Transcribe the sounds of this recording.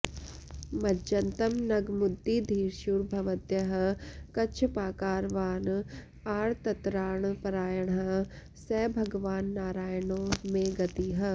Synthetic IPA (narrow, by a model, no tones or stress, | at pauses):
mɐd͡ʒɐnt̪ɐmnɐɡmʊd̪ːid̪ʱiːɾʃuɾbʱɐʋət̪jɐɦ̆kɐt͡ʃʰpaːkaːɾʋaːn | aːɾt̪ɐt̪ɾaːɳpɐɾaːjəɳɦɐ | sɛːbʱɐɡʋaːnːaːɾaːjəɳõːmẽɡɐt̪iɦɐ